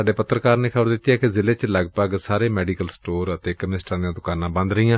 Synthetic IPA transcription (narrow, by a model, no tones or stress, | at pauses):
aːɖeːpət̪ːɾəkaːɾneːkʰəbəɾd̪ɪt̪ːijaːkɪzɪleːt͡ʃləɡpəɡsaːɾeːmɛːɖiːkəlsʈoːɾət̪eːkəmɪnɪsʈãːd̪ĩjãːd̪ʊkaːnãːbə̃nd̪ɾəɦiːãː